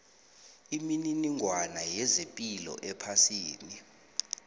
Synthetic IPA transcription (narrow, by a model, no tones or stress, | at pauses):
imininiŋʱwanajɛzepʼilɔ̰ʔɛpʰasiːni